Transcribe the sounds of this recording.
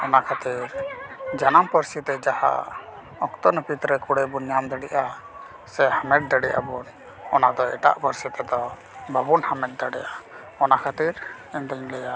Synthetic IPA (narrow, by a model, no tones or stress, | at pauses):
ɔnakʰat̪iɾd͡ʒanampəɾsit̪ɛd͡ʒaha̰ | ɔkt̪ɔnpit̪ɾəkuɽɛbuɲamd̪əɽiʔa | sɛhamɛd̪̚d̪əɽɛʔa̰bun | ɔnad̪ɔɛ̰ʈa̰ʔpəɾsit̪ɛd̪ɔ | bʱəbunhamɛd̪̚d̪əɽɛjʔa | ɔnakʰat̪iɾ | ɛnd̪əɲlɛjaʔ